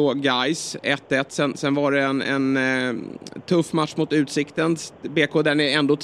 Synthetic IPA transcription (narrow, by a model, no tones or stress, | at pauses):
oɡajsɛt̪ːɛt̪ːsɛnsɛnvaɖɛɛnɛ̰n | t̪ʰɵfːmat̪ʂmʊt̪ʉ̟ːt̪sɪkt̪ənbeːkʰoːd̪ænæɾɛnd̪oːt̪ʰ